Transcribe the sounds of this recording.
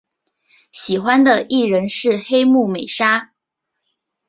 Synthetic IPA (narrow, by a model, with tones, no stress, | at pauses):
ɕi˨˩xwa˥nd̪ə˨ʔi˥˩ɻə˧˥nʂɻ̩˥˩xe˥ɪmu˥˩me˨˩ɪʂa˥